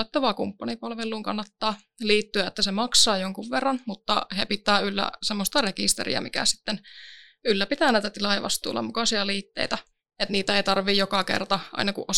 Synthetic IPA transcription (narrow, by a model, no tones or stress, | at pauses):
et̪ːoʋɑːkumpːɑnipɑlʋelːˑuːŋkɑnːɑt̪ːɑː | liːt̪ːyæet̪ːæsemɑksɑːjoŋkuʋʋerːɑnmut̪ːɑ̰hepit̪ːˑæːylːæ̰semːost̪ɑrekḭst̪ḛrḭɑ̰mikæ̰si̥t̪ːen | ylːæpit̪æːnæit̪æt̪ilɑjɑʋɑ̰st̪ˑṵːlːɑ̰mukɑsiɑliːt̪ːḛit̪æ | et̪niːt̪æeit̪ɑrʋijokɑkḛrt̪ɑʔɑ̰inɑkṵʔʔo